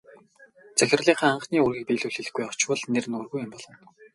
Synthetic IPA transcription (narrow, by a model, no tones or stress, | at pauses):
t͡sæxʲɪ̆rɮiːχaːaɴχniːurɣiːk̚piːɮuːɮxĭɮɘ̆xɡujɔ̥t͡ɕwə̆ɮnerɘ̆nɵrɣujɪmpɔɮɞ̆n